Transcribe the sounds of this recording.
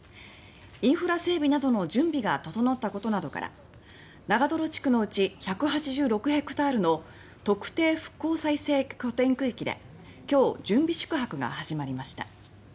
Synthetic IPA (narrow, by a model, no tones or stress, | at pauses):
ĩɰ̃ɸɯ̟ɾase̞ːbʲinad̪o̞no̞d͡ʑɨ̃mbʲiɡat̪ot̪o̞not̪ːako̞t̪o̞nad̪o̞ka̰ɾa̰ | naɡad̪o̞ɾo̞t͡ɕi̥kɯ̟no̞ɯ̟t͡ɕiçakɯ̟ɦat͡ɕiʑɨːɾo̞kɯ̟ɦe̞kɯ̟̥t̪aːɾɯ̟no̞ | t̪o̞kɯ̟̥t̪e̞ːɸɯ̟̥kːo̞ːsaise̞ːkʲo̞t̪ẽ̞ŋkɯ̟ikʲid̪e̞̰ | kʲo̞ːd͡ʑɨ̃mbʲiɕɨ̥kɯ̟ɦakɯ̟ɡa̰haʑimaɾʲimaɕi̥t̪a̰